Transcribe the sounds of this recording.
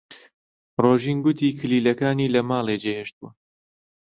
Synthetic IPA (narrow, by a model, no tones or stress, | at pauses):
roːʒiːnɡʊt̪ʰiːkʰɨliːlɐkaːniːlɐmaːlˠeːd͡ʒeːheːʃt̪̚uwɐ